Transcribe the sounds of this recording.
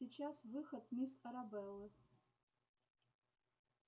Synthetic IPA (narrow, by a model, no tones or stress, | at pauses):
iːt͡ʃasvɨxɐt̪̚misɐɾabɛlɨ